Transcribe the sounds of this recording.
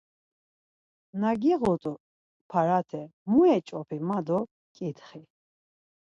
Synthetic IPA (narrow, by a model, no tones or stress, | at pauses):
naɡiʁɔt̪ʼu | pʰaɾat̪ʰɛmuɛt͡ʃʼɔpʰimad̪ɔ | kʼit̪χi